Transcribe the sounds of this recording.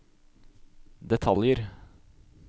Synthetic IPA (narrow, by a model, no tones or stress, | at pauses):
d̪ɛt̪ʰɑljəɾ